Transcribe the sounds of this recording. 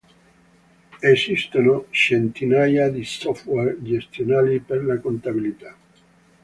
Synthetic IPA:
esist̪onoʃent̪inajaðisofweɾʝest̪jonalipeɾlakont̪aβilit̪a

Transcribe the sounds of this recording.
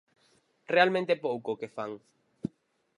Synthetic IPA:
realmẽnt̪epowkokefaŋ

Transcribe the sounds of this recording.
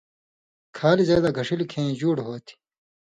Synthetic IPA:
kʰaːlizeːd̪aːɡʱɐʂilkʰẽːd͡ʑuːɽɦoːt̪ʰi̥

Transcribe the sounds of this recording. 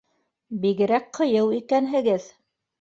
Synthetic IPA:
biɣɘ̆ɾæk̚qʰɤ̆jɤwikænɦɘ̆ɡɘð

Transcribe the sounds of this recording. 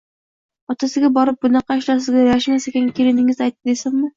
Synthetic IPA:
ɒt̪ʰasɪɡʲabɒɾɪp̚bʊnɑqɑɪʃlas̬ɪzɡʲajaʃmasekʲankʲʰeɾɪnɪŋɪzajt̪̚ːɪd̪esɪnmɪ

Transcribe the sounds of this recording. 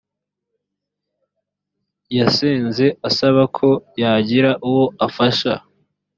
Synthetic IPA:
jaseːnze̞asaβakʰo̞jaɟiɾaʔuwo̞afaʃa̰

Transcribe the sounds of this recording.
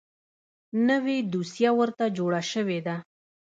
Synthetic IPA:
nəwed̪usjawəɾt̪ad͡ʒoɽaʃəwed̪a

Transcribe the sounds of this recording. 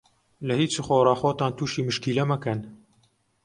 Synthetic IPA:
ləhiːt͡suxoːɾɑːxoːt̪ɑːnt̪ʰuːʃiːmɨʃkiːlɛmɐkɐn

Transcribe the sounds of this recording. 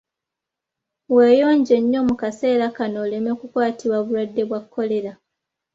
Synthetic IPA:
we̞ːjo̞ːɲɟe̞ɲːo̞mukase̞ːɾakano̞ːle̞me̞kukwaːtʰiβwaβulwadːe̞βwakʰːo̞le̞ɾa

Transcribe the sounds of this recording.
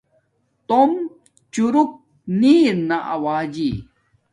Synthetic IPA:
t̪om | t͡ɕuɾuk̚ | niːɾnaʔɐ̰waːd͡ʑi

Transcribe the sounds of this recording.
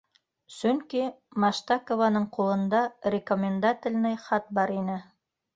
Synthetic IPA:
sɵŋki | maʃt̪akovanɤɴqulˠɤ̆nd̪ɑrʲɪkomʲɪnd̪at̪ʲɪ̆lʲnɘjχɑt̪̚bɑɾinɘ

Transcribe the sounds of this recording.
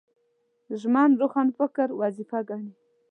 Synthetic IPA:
ʒmɑnɾoxanfəkəɾwazifaɡɑɳi

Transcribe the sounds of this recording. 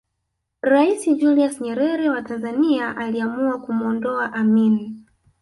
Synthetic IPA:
ɾaisid͡ʒuliasɲɛɾɛɾɛwatanzaniaʔaliamuakumuɔndɔaʔamini

